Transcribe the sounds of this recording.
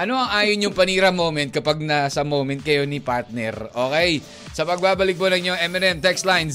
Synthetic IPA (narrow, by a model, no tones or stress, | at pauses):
ʔɐno̞ʔɐŋʔaːjonjʊŋpɐniːɾɐmowmɛnt̪̚kɐpaɡ̚nɐsɐmowmɛnt̪̚kɐjo̞nipaɹt̪̚nɛ̰ɾʔoːkɛj | sɐpɐɡ̚baːbɐlɪk̚ponɐŋɲoŋʔɛmɛnɛmt̪ɛkst̪lajn